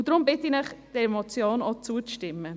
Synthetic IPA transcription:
ʊd̥ɾʊmbɪtinɛχd̥ɛmɔt͡sjoːnot͡suəʃtɪmːə

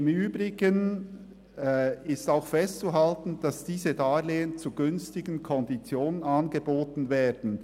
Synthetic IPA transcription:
ɪmyːbʁɪɡən | ɪstaʊxfɛstt͡suɦaltn̩d̥ɑsd̥iːzədaːleːənt͡suɡʏnstɪɡən̩kʰɔndit͡sjoːnənɑnɡəboːtn̩vɛːd̥n̩

